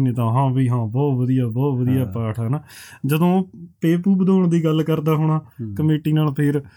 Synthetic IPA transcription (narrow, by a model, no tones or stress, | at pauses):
nẽːt̪ãːɦãːbiːɦãːbɔːt̪ʋəd̪ijaːbɔːt̪ʋəd̪ijaːpaːʈʰaːnaːd͡ʒəd̪õːpeːpuːbəd̪oːɳd̪iːɡəlkəɾd̪aːɦʊɳ̃aːkəmeːʈiːnaːlpʰɪɾ